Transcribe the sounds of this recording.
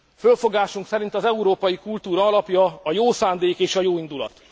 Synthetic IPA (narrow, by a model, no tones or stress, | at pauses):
følfo̞ɡaːʃuŋksɛɾint̪ɒzɛuɾoːpɒjikult̪uːɾɒɒlɒpjɒɒjoːsaːnd̪eːkeːʃɒjoːind̪ulɒ̰t̪